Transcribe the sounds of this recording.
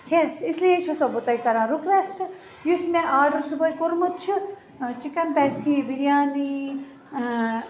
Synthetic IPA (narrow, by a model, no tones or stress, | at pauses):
t̪ʰesislijet͡ʃʰɔsɔbut̪aik̪ɐɾãːɾukʋesʈ | jusmẽʔaːɖusubəjkuɾmut̪t͡ʃʰu | t͡ʃikɐnpɛkt̪ʰibiɾijaːni